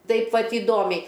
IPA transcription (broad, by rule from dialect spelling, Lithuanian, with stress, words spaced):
ˈtɐɪp ˈʋɐt iːˈdoːmʲɛɪ